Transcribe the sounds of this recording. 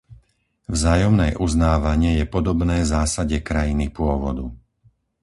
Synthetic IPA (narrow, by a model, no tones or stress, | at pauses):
vzaːjɔmnɛːʔuznaːʋaɲɪɛjɛpɔd̪ɔbnɛːzaːsaɟɛkɾajinipʊɔʋɔd̪u